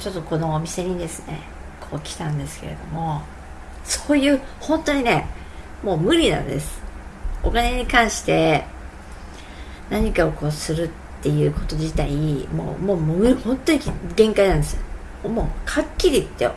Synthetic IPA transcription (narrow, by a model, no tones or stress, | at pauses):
t͡ɕo̞t̪ːo̞ko̞no̞ːmʲise̞ɲ̟id̪e̞sɨne̞̰ | kʰo̞ːkʲi̥t̪ãnd̪e̞sɨ̥ke̞ɾe̞̰d̪o̞mo̞ | so̞ːjɯ̟ːhõ̞nt̪o̞ɲ̟ine̞ | mo̞ːmɯ̟ɾʲinã̰nd̪e̞sɨ̥ | o̞kane̞ɲ̟ikãɰ̃ɕi̥t̪e̞ | naɲ̟ikao̞ko̞ːsɨɾɯ̟t̪ːe̞jɯ̟ːko̞t̪o̞ʑit̪aimo̰ːmoːmɯihõ̞nt̪o̞ɲ̟iɡẽ̞ŋkainãnd̪e̞sɨjo | moːkʰakʲːiɾʲit̪ːe